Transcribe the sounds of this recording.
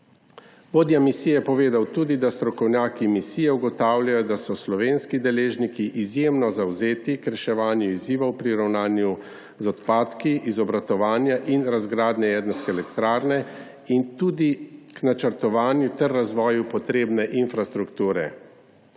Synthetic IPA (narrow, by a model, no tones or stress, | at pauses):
ʋoːd̪jamisijɛjɛpɔʋeːd̪awt̪uːd̪id̪ast̪ɾɔkɔwnʲjaːkimisijɛuɡɔt̪aːwljajɔd̪asɔslɔʋeːnskid̪ɛleːʒnikiʔizjeːmnɔzawzeːt̪ikɾɛʃɛʋaːnjuiziːʋɔwpɾiɾawnaːnju | zɔt̪paːt̪kiʔizɔbɾat̪ɔʋaːnjaʔinɾazɡɾaːd̪nɛjɛːd̪naskɛːlɛkt̪ɾaːɾnɛ | int̪uːd̪iknat͡ʃəɾt̪ɔʋaːnjut̪ɛɾːazʋɔːjupɔt̪ɾeːbnɛʔinfɾast̪ɾukt̪uːɾɛ̰